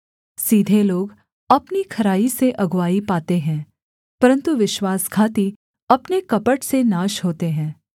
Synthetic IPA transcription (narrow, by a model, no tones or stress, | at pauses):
siːd̪ʱeloːɡ | ɐpnikʰɐɾaːiseʔɐɡʋaːipaːt̪eɦɛ̃ː | pɐɾə̃nt̪uʋɪʃwaːskʰaːt̪i | ɐpnekɐpəʈsenaːʃɦoːt̪eɦɛ̃ː